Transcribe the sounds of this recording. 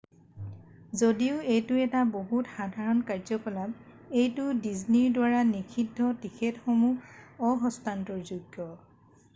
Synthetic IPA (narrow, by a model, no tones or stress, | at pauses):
zodiʊejtʊɛtaboɦutxadʱaɹɔnkaɹzɔkɔlab̚ | ejtʊdizniɹdwaɹanikʰidʱːɔtikʰetxomuɔɦɔstantɔɹzuɡːɔ